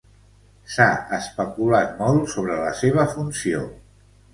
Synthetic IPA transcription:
saəspəkulat̪mɔlˠsoβɾələseβ̞əfunsio

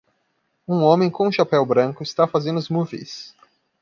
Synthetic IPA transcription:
ũõmẽj̃kõũʃapɛwbɾɐ̃ŋkʊɪst̪afazẽnd̪ʊʊzmuvḭjs

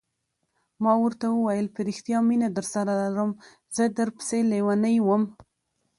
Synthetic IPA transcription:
mɑwəɾt̪awəwajəlpəɾixt̪ijɑminad̪əɾsaɾalaɾəm | zəd̪əɾpə̥selewanəjwəm

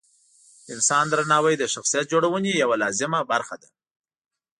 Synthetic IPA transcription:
ɪnsɑnd̪ɾanɑwajd̪əʃaxsijat̪̚d͡ʒoɽawənejawalɑzɪmabaɾxad̪a

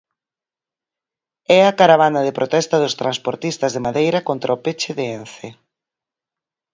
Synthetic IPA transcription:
ɛɐkaɾaβ̞anɐðɪpɾot̪ɛst̪ɐðʊst̪ɾanspoɾt̪ist̪ɐzðɪmaðejɾɐkont̪ɾɐʊpet͡ʃɪðɪenθe

